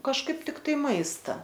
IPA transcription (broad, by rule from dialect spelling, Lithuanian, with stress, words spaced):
kɐʃˈkɐɪp tʲɪkˈtɐɪ ˈmɐɪstɐ